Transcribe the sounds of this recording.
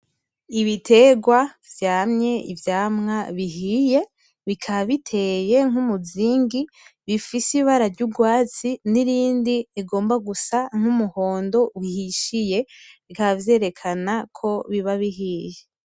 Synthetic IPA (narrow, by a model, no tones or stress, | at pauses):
iβitʰe̞ɡwavjaːmɲe̞ʔivjaːmŋaβiɦije̞ | βikʰaβitʰe̞je̞ŋ̥umuziːŋɡi | βifisiβaɾaɾɟubɡwaːt͡siniɾiːndiiɡo̞ːmbaɡusaŋ̥umuho̞ːndo̞wihiʃije̞βikaβvje̞ːɾe̞kʰanakʰo̞βiβaβiɦiːje